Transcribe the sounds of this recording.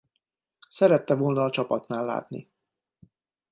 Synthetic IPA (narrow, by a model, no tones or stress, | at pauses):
sɛɾɛt̪ːɛvoːlnɒːt͡ʃɒpɒt̪naːlːa̰ːt̪nḭ